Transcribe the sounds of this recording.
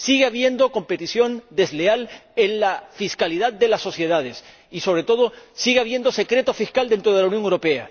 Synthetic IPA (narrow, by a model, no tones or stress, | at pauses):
siɣeaβje̞nd̪o̞ko̞mpe̞t̪isjo̞nd̪e̞zlealenlafiskaliðaðd̪e̞lasːo̞sje̞ð̞að̞e̞s | iso̞βɾet̪o̞ðo̞siɣeaβ̞je̞nd̪o̞se̞kɾe̞t̪o̞fiskald̪e̞nt̪ɾoðlauwnjo̞ŋewɾope̞a̰